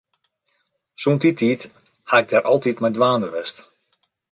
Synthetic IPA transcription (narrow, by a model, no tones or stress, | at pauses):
suntitʰiːt | haɪɡ̚dɛɾʔɔlˠtitmɛjndʋaːnəʋɛst